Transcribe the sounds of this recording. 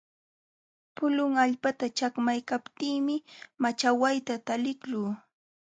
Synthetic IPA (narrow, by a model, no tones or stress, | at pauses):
pʊlʊŋaʎpat̪at͡ʃakmajkapt̪iːmɪmat͡ʃawajt̪at̪alɪkʎuː